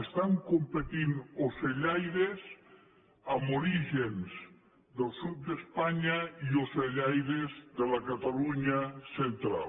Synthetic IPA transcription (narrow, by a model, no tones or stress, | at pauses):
est̪aŋkompet̪inoseʎajɾes | amoɾiʒenz | d̪elˠsut̪̚d̪espaɲaioseʎajɾezðelakat̪aluɲasent̪ɾa̰l